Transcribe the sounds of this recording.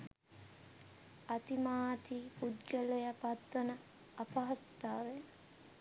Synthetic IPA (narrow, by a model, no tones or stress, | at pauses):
at̪imaːt̪ipud̪ɡəlejapat̪ʋənə | ɐpaɦɐst̪aːʋe